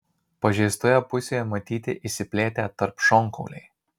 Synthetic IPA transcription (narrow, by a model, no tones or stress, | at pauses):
pɐʒʲɛɪst̪ojɛpʊsʲeːjɛmɐt̪ʲiːt̪ʲɪ̰ʔɪsʲɪpʲlʲeːt̪ʲæːt̪ɐɾpʃɔŋˑkɔʊlʲɛɪ